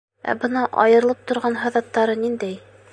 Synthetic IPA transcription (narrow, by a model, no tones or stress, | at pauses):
æ̰bɤnɑʔɑ̰jɤ̆ɾlˠɤp̚t̪ŏɾʁɑnɦɑ̆ðɑt̪ːɑɾɤnind̪æj